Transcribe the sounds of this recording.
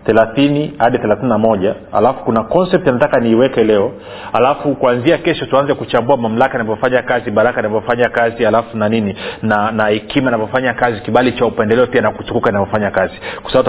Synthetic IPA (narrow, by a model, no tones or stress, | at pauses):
θɛlaθinihaɗiθɛlaθininamɔʄaha̰lafu̥kunakɔnsɛp̚tanatakaniːwɛkɛlɛɔ | ha̰lafukuanziakɛʃɔtuanzɛkut͡ʃambuamam̩lakainavɔfaɲakaziɓaɾakainavɔfaɲakazihalafunanininanahɛkimainavɔfaɲakazikiɓalit͡ʃaupɛndɛlɛɔpianakut͡ʃukukainavɔfaɲakazikwḁsaat